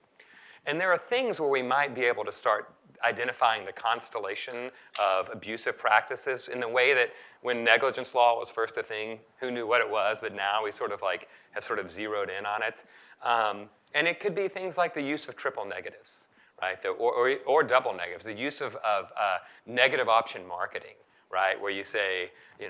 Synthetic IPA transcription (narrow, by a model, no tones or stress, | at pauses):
ɨ̃nðə˞ːθɪ̃ŋzwə˞wimaɪt̚b̥ieɪbl̩ˠtʰɨstɑɹɾ | aɪdɛ̃ɾ̃ɨfaɪɪ̃ŋðɨkʰɑ̃nstəleɪʃɨ̃n | ʔʌvɨbjʉsɨv̥pʰɹ̥æk̚tɨsɪzɨ̃nðəweɪðɨt̚wɨ̃nːɛɡləd͡ʒɨ̃nslɔwʌz̥fɜ˞stɨθɪ̃ŋ | hʉnjʉwʌɾɨt̚wʌzbʌtⁿnaʊwisɔɹɾʌvlaɪkhɨv̥sɔɹɾʌvziɹoʊɾɪ̃nə̃nɪtʌ̃m | ɨ̃nɨt̚kʰɨd̚biθɪ̃ŋzlaɪk̚ðɨjʉzʌv̥tʰɹ̥ɪpl̩ˠnɛɡɨɾɪvz̥ | ɹa̰ɪt̪̚ðoʔə˞ʔə˞ə˞dʌbl̩ˠnɛ̰ɡɨɾɨvzðɨjʉzʌvʌvʌnɛɡɨɾɨvɑpʃɨ̃nmɑ̰ɹkɨɾɪ̰̃ŋ | ɹa̰ɪʔwʔə˞jɨseɪ | jɨn